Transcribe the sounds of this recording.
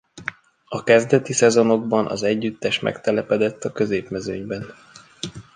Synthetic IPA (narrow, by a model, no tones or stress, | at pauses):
ɒkɛzd̪ɛt̪isɛzo̞no̞ɡbɒnʔɒ̰zɛɟːyt̪ːɛʃmʔɛ̰kt̪ɛlɛpɛd̪ɛt̪ːɒkø̞zeːpmɛzøːɲbɛn